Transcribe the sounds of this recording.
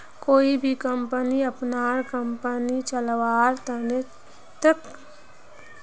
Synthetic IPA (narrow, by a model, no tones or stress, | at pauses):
koːibʱikəmpəniəpnaːɾkəmpənit͡ʃəlʋaːɾt̪əne | t̪ək